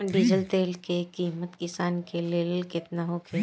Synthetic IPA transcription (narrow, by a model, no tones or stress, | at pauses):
ɖid͡ʒəlt̪eːlkekiːmət̪kɪsaːnkeleːlkɪt̪naɦokʰe